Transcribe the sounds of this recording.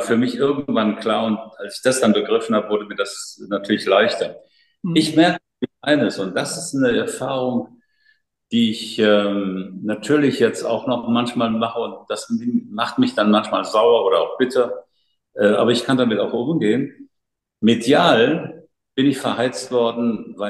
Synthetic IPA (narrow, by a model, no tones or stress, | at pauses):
afyːɐmɪçʔɪɐɡŋ̩tv̥ankl̥aːɐʊntʔalsɪ̥çd̥asd̥anbəɡʁɪfn̩haːbəvʊɐdəmiːɐdasnatʰyːɐlɪçlaɪçtɐ | ɪçmɛɐkə | ɪçʔaɪnəsʊnt̚d̥asɪstnəɛɐfaːʁ̞ʊŋ | d̥iːɪçʔɛːmnatʰyːɐlɪçjɛt͡sta̰ʊxnɔχmançmaːlmaχəʊnt̚d̥asmaχtmɪçd̥anmançmaːlzaʊɐʔoːɾɐaʊxb̥ɪtʰɐ | ʔɛːʔa̰ːbɐɪçkʰandamɪtaʊxʔʊmɡeːən | medjaːln | b̥ɪnɪçfɛɐhaɪt͡stv̥ɔɐdn̩vaɪ